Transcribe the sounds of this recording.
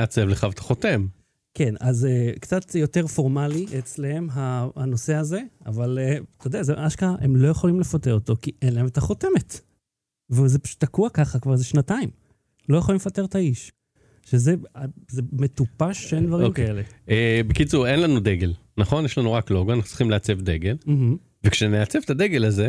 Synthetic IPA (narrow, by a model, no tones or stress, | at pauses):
at͡sevleχavt̪ḁχo̞t̪e̞m | ke̞nazekt͡sat̪jo̞te̞ʁfo̞ʁmaliʔet͡slehe̞mɦaano̞seaze̞a̰valet̪od̪eazeʔaʃkaemlo̞jeχo̞limle̞fateʁot̪o̞kiʔenlaemet̪aχo̞te̞me̞t | vezeʃt̪akuakaχakvaʁzeʃnataim | lojeχolimlefate̞t̪aiʃ | ʃeze̞azeme̞t̪upaʃend̪vaʁmkaeleebekit͡suʁenlanud̪eɡelnaχo̞njeʃlanuʁakloɡoanaχu̥tt͡siχimleat͡sevd̪eɡelm̩ɦm̩ | vekʃeneat͡sevt̪ad̪eɡelaze